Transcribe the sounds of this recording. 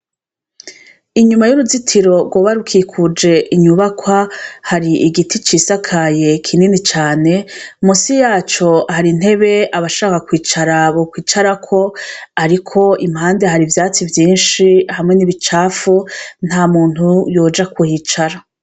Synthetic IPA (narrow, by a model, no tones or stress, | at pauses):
iɲumajuɾuzitʰiɾo̞ɡwoβaɾukʰikʰud͡ʒe̞ʔiɲuβakʰwahaɾiʔiɡitit͡ʃiːsakʰaje̞kʰininit͡ʃaːne̞musijaːt͡ʃo̞haɾin̥he̞βe̞aβaʃaːkakwiːt͡ʃaɾaβokwiːt͡ʃaɾakʰo̞aɾikʰo̞im̥haːnde̞ɦaɾivjaːt͡sivjiːnʃihamŋe̞niβit͡ʃaːfun̥hamuːn̥ujo̞ːd͡ʒakʰuhiːt͡ʃaɾa